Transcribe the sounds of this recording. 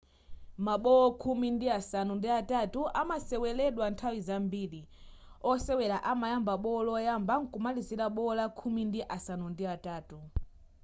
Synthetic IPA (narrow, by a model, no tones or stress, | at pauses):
maɓɔɔkʰumindiasanundiatatuʔamasɛwɛlɛɗwantʰawizambiːli | ɔsɛwɛlaʔamajambaɓɔɔlɔjambaŋ̩kumalizilaɓɔɔlakʰumindiʔasanundiataːtu